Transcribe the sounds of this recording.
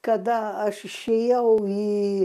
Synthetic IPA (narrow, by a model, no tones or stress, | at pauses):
kɐd̪ɐɐʃɪʃʲeːjɛʊiː